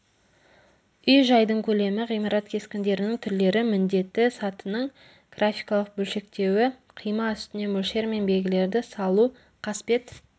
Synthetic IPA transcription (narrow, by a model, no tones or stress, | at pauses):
ʏjʒɑjd̪əɴkʲʰɵle̞mɪʁijmɑɾɑt̪kʲʰe̞skʲɪnd̪e̞ɾɪnɪŋt̪ʰʏɾle̞ɾɪmɪnd̪e̞t̪ːɪsɑt̪ənəɴ | ɡ̥rʔafijkɑlˠəq̚bɵlʃe̞k̚t̪e̞wɪqʰijmɑʏst̪ɪne̞mɵlʃe̞ɾme̞nbe̞lɡʲɪle̞ɾd̪ɪsɑlˠu | qʰɑspe̞t̪